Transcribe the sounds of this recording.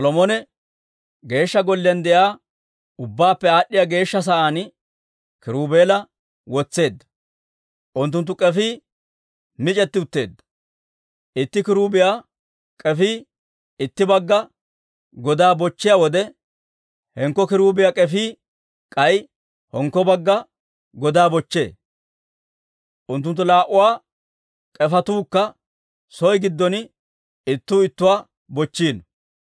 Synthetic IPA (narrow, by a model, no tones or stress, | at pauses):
sɔlɔmɔnɛ | ɡe̞ːʃːɐɡɔlːɪɐnd̪ɛjaː | ʊbːaːpːɛaːɗːɪjaːɡe̞ːʃːɐs̬aʔaːn | kɪɾuːbe̞ːlɐ | wɔt͡sːe̞ːd̪ːɐ̥ | ʔʊnt̪ːʊnt̪̬ːʊkʼɛfiː | mɪt͡ʃʼɛt̪ːɪʊt̪ːe̞̰ːd̪ːɐ̥ | ʔɪt̪ːɪkɪɾuːbɪjaː | kʼɛfiː | ɪt̪ːɪbɐɡːɐ | ɡɔd̪aːbɔt͡ʃːɪjawɔd̪ɛ | hɛŋkːɔkɪɾuːbɪjaːkʼɛfiː | kʼɐj | hɔŋkːɔbɐɡːɐ | ɡɔd̪aːbɔt͡ʃːḛː | ʔʊnt̪̬ːʊnt̪̬ːʊlaːʔʊwaː | kʼɛfɐt̪uːkːɐ | sɔjɡɪd̪ːɔn | ɪt̪ːuːɪt̪ːʊwaː | bɔt͡ʃːiːn